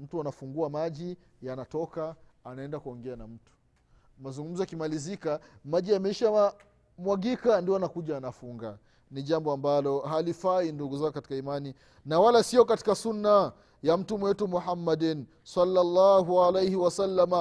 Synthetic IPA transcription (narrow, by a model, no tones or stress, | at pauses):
m̩tuanafuŋɡuamaʄi | janatɔkaanaɛndakuɔŋɡɛanam̩tu̥ | mazuŋɡum̩zɔakimalizikamaʄiamɛiʃa | mwaɡikandiɔanakuʄaːnafuŋɡa | niʄambɔambalɔhalifainduɡuzaɔkati̥kaimani | nawalasiɔkati̥kasunːa | jam̩tumwɛtumuħamːadɛn | salːalːaɦualejhiwasalːama